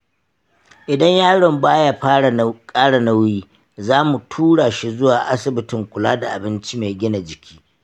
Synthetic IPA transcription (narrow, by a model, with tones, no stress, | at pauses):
ʔɪ˨dɐ˦ɲjaː˦ɽɔ˨mbaː˦ja˦ɸa˦˨kʼaː˦ɽa˨na˦wjiː˦ | zaː˦mu˨tʰuː˦ɽaː˨ʃi˦zʊ˦waː˨ʔa˦sɪ˨bɪ˦tɪ˨ŋkʷʊ˨laː˦da˨ʔa˨bɪ˦nt͡ʃi˦me˨ɡʲɪ˦na˨d͡ʒɪ˨kʲiː˦